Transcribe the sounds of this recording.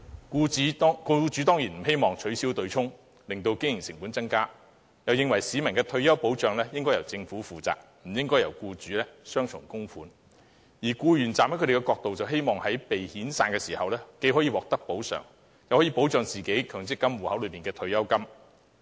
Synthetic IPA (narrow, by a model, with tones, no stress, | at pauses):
kuː˧˨˥ku˧t͡syː˨˥t̪ɔː˥ŋjiː˨˩nm̩˨˩ɦe˥jmɔː˨ŋt͡ʃʰɵ˨˥ɥsiː˥wt̪ɵ˧ɥt͡sʰʊ˥ŋ | lɪ˨ŋt̪o˧wkɪ˥ŋjɪ˨˩ŋsɪ˨ŋpuː˨˥nt͡sɐ˥ŋkaː˥ | jɐ˨wjɪ˨˧ŋwɐ˨˩jsiː˨˧˥mɐ˨˩nkɛː˧t̪ʰɵ˧ɥjɐ˥wpo˨˥wt͡sœː˨ŋlɛː˥jɪ˥ŋkɔː˥jɐ˨˩wt͡sɪ˧ŋfu˨˥fuː˨t͡sa̰ː˨k̚m̩˨˩jɪ˥ŋkɔː˥jɐ˨˩wkuː˧t͡syː˨˥lɛː˥sœː˥ŋt͡ʃʰʊ̰˨˩ŋkʊ˥ŋfuː˨˥n | jiː˨˩kuː˧jyː˨˩nt͡saː˨mhɐ˨˥kʰɵ˧e˨˩˧kɛ˧kɔː˧k̚t̪o˨wt͡sɐ˨wɦe˥jmɔː˨ŋhɐ˨˥jpe˨jhiː˨˥nsaː˧nkɛː˧siː˨˩hɐ˨wlɛː˥ke˨˧˥jɦɔː˨˥jiː˨˧wɔː˨k̚t̪ɐ˥k̚po˨˥wsœ̰ː˨˩ŋ | jɐ˨whɔː˨˥jiː˨˧po˨˥wt͡sœː˨ŋt͡siː˨˩ke˨˥jkʰœː˨˩ŋt͡sɪ˥kːɐ˥mwuː˨˩hɐ˨˥wlɵ˨˧pmiː˨˩nkɛː˧t̪ʰɵ˧ɥjɐ˥wkɐ˥m